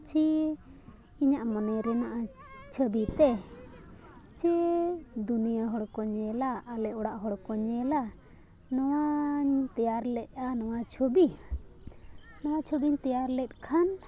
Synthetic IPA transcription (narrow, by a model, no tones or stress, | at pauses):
t͡ʃʰi | iɲaʔmɔnɛɾɛnaʔat͡ʃʰəbit̪ɛ | t͡ʃʰi | d̪unijaɦɔɽkɔɲɛlaʔːlɛʔɔɽaʔɦɔɽkɔɲɛla | nɔwaɲt̪ɛjaɾlɛʔ̚ˀanɔwat͡ʃʰobi | nɔwat͡ʃʰobiɲt̪ɛjaɾlɛt̪̚ˀkʰan